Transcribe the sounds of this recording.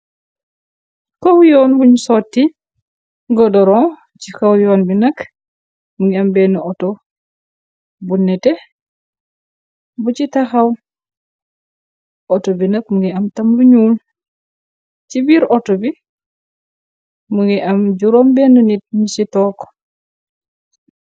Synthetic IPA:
kowjɔːnbuɲsɔtːi | ɡɔdɔɾɔ̃ | t͡ʃikowjɔːnbinɐk | muŋɡiambɛnuɔtɔ | bunːɛtɛ | but͡ʃitaxaw | ʔɔtɔbinakmuŋɡiamtamluɲuːl | t͡ʃibiːɾɔtɔbi | muŋɡiʔamɟuɾɔmbɛnuninisitɔːk

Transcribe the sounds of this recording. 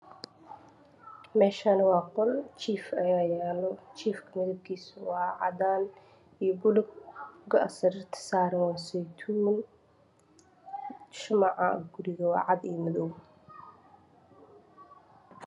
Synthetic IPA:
mɛːʃanɐwɑːqɔlt͡ʃʰiːfɐjajɛːlɔt͡ʃʰiːfkʰɐmɐðɐb̚kʰiːsʊwɑːʕɑ̰d̪aːn | ijɔɡʊlʊɡɡɐɐsɐɾɪrt̪ʰɐ̥saːɾɐwɑːsɛjt̪ʰuːn | ʃʊmɑʕɑ̰ɡʊɾɪɣɐwɑ̰ːʕɑd̪iːjmɐðɔw

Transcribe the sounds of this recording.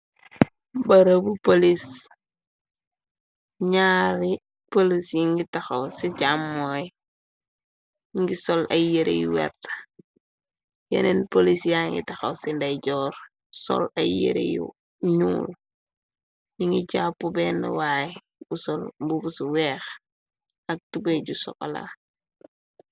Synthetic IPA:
bɐɾɐbupolis | ɲaːɾi | polisjiŋɡitɐxɐwsiɟamːoːj | jiŋɡisɔlɐ̰jeɾḛjṵwɛ̰t | jɛ̰nenpolisjaŋɡḭtɐxɐwsindɐɟɔːɾ | sɔ̰lɐ̰jḛɾḛjṵ | ɲuːl | jiŋɡiɟaːpubɛnɐ̰wai | busɔlbubusuwɛːx | ɐk̚tubeɟusɔ̰ka̰la̰

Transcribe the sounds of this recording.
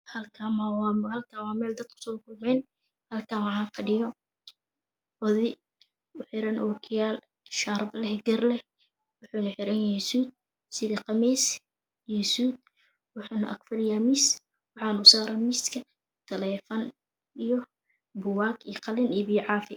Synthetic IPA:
hɐlkʰaːmahɐlkʰaːwɑːmɛːld̪ɐd̪̚kʰʊ̥sɔːkʰʊlmɛːn | hɐlkʰaːwɑʕaːkʰɐɖɪɣɔ | ɔðɪ | ʊħɪɾɐnʔɔːkʰjaːl | ʃaːɾblɛhɛɡɛrlɛ | wʊħuːnɐħɪɾɐnɛsuːd̪̚ | sɪðɐqɑmiːs | jɔsuːd̪̚ | wɑħuːnɐ̰ʔɐ̰kfɐrjamiːs | wɑħɑːnʊsaːɾɐmiːskʰɐ | t̪ʰɐlɛːfɐn | ijɔ | bʊwaːɡiqɑlɪnibiːʕɑːfɪ

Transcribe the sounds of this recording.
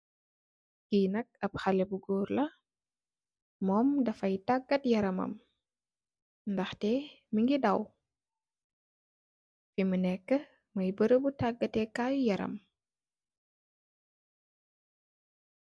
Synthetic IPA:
kiːnɐk̚ɐp̚xɐlɛbuɡɔːrlɐ | mɔːmdɐfɐjtaɡːɐtjɐɾɐmɐ̰m | ndɐxtɛ | miŋɡidɐw | fimənɛkːə | mɐjbəɾəbutaɡːɐtɛkaːjujɐɾɐ̰m

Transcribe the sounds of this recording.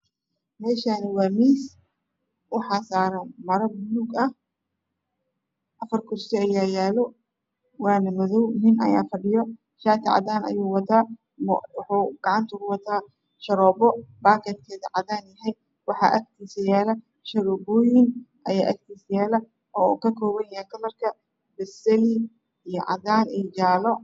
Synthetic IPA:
mɛːʃanɐwɑːmiːs | ʔɑħɑːsaːɾɐnmɐɾɐbnʊɡɐh | ʔɐfɐrkʰʊrsɪɐjaːjaːlɔ | waːnɐmɔðɔwnɪnʔɐ̰jaːfɐɖɪjɔ | ʃaːt̪ʰɪʕɑ̰d̪aːnɐ̰juːwɑt̪ʰaː | mwħuːɡ̥ɑʕɑnt̪ʰʊkʊwɑt̪ʰaː | ʃɐɾɔːbɔbaːkʰɛd̪̚kʰɛːðɐʕɑdaːnjɐɦɛj | wɑħɑ̰ʔɐk̚t̪ʰiːsɐjaːlɐ | ʃɐɾɔːbɔːjɪnʔɐjaːʔɐk̚t̪ʰiːsjaːlɐ | ɔːṵkʰɐkʰɔːβɐnjɐhɛkɐlɐrkʰɐ | bɛsɛli | ijɔʕɑ̰ðaːnijd͡ʒaːlɔ

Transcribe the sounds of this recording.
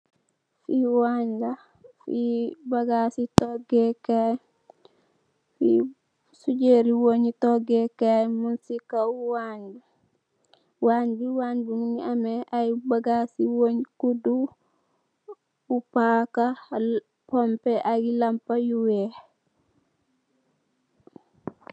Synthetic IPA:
fiwaɲla | fibaɡasitoɡekaj | fi | suɟeɾiwoɲitoɡekajmunsikauwaɲdu | wanbuwaːnbuŋniameʔajbaɡasiwoɲkudu | upaka | pompeʔaɡilampajuwe

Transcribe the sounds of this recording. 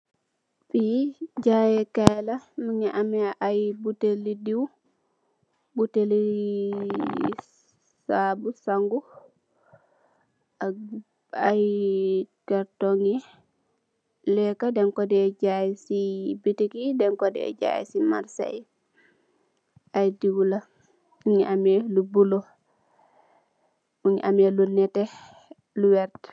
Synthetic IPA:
fid͡ʒajɛkɛlaməŋɛʔamɛʔajbutelidiw | buteli | sabusaŋɡu | aj | kɛɾtɔŋi | lɛkadɛŋkɔdɛːɟajsibitikidɛŋkɔdɛ̰ɛ̰ɟa̰jsima̰ɾsa̰j | ajdiwula | uɲiʔamɛlubulo | uɲiʔamelunɛtɛ | luwɛɾt

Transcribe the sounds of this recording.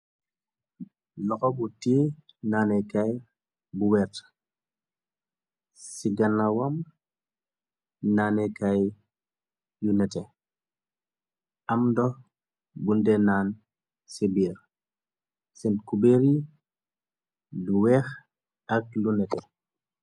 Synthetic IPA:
lɔxɔbutiː | naːnɛkaj | buwɛɾtə̥ | siɡɐnɐwɐm | naːnɛkaj | junɛtɛ | ɐmdɔ | bundɛnaːn | sibiːr | sɛnkubeɾi | luwɛːx | ɐk̚lunɛtɛ

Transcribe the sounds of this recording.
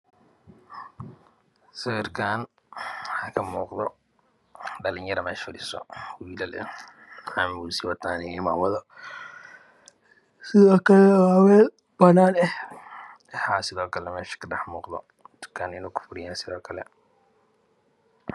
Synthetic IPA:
sɐwɛɾkʰaːn | hakɐmuːqd̪ɔ | dɐlɪɲjɐɾɐmɛːʃfʊdɪsɔ̰wiːlɐlɛ̰ | amusiwɐt̪aːnɛmawɐðɐ | sɪðɔːkɐlɛwawɛː | b̥ɐnaːnɛh | ɛħaːsɪðɔːkɐlɛmɛːʃɐ̥kɐdɐħmuːqd̪ɔ̰ | t̪ʊ̥kʰaːnɪnoːkʊ̥fʊɾɪjaːnsɪðɔːkʰɐlɛ̰

